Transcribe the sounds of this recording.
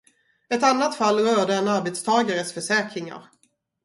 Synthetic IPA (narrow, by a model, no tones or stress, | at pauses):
ɛt̪anːat̪falːɾœːɖəɛnaɾbɛt̪st̪ʰɑːɡaɾəsfœʂɛːkɾɪŋa̰ɾ